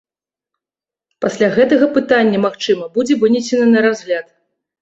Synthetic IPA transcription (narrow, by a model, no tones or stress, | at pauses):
pasʲlʲaɣɛt̪ɐɣɐpɨt̪anʲːɐmaxt͡ʂɨmɐbud͡zʲɛvɨnʲisʲɛnɐnɐɾazɣlʲat̪